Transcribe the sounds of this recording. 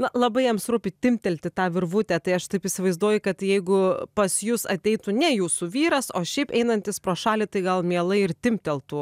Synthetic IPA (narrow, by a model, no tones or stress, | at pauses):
nɐlˠɐbɐɪjɛmsɾuːpʲɪt̪ʲɪmʲt̪ʲɛlʲt̪ʲɪt̪ɑːʋʲɪrʋut̪ʲæt̪ɐɪɐʃt̪ɐɪpisʲɪʋɐɪzd̪uɔjʊkɐt̪jɛɪɡʊpɐsjʊsɐt̪ʲɛɪt̪unʲɛjuːsuʋʲiːɾɐsoːʃʲɛɪpɛɪnɐnʲt̪ʲɪspɾoːʃɑːlʲɪt̪ɐɪɡɐlˠmʲiɛlˠɐɪɪrt̪ʲɪmʲpʲt̪ʲɛlˠt̪uː